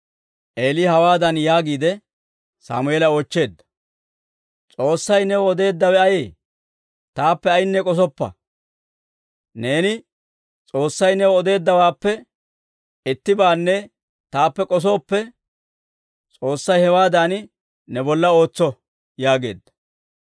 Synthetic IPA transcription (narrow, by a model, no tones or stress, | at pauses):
ʔe̞ːlihɐwaːd̪ɐnjaːɡiːd̪ɛ | sa̰ːmʊɛlɐo̞ːt͡ʃːe̞ːd̪ːɐ̥ | t͡sʼo̞ːsːɐjnɛwɔɔd̪e̞ːd̪ːɐwɛɐjeː | t̪aːpːɛɐjɪnːɛkʼɔs̬ɔpːɐ̰ | ne̞ːnɪ | t͡sʼo̞ːsːɐjnɛwɔɔd̪e̞ːd̪ːɐwaːpːɛ | ɛt̪ːɪbaːnːɛ | t̪aːpːɛkʼɔs̬o̞ːpːɛ | t͡sʼo̞ːsːɐjhɛwaːd̪an | nɛbɔlːɐo̞ːt͡sːɔ | jaːɡe̞̰ːd̪ːɐ̥